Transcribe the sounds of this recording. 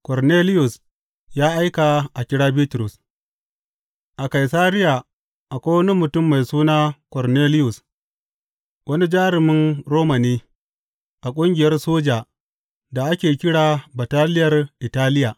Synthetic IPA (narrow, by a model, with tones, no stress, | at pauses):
kɔ˨rneː˦lɪ˦jʊ˨s | jaː˦ʔa˦jka˨ʔa˨kʲɪ˦ɽaː˦bi˦tʊ˨ɾʊ˨s | ʔa˨ka˨js̬aː˦ɾɪ˦ja˨ | ʔa˨kʷoː˦wɐ˦ni˦mʊ˨tʊ˦˨mːa˨jsuː˦naː˦kɔ˨rneː˦lɪ˦jʊ˨s | wʔɐ˦ni˦d͡ʒaː˦ɾɪ˨mɪ˦nɾoː˦mɐ˨niː˦ | ʔa˨kʷʼʊ˦ŋɡʲɪ˨jɐ˦rsoː˦d͡ʒaː˨ | da˨ʔa˦kʲeː˨kʲɪ˦ɽaː˨ba˨taː˦lɪ˦jɐ˨rʔɪ˨taː˦lɪ˦jaː˨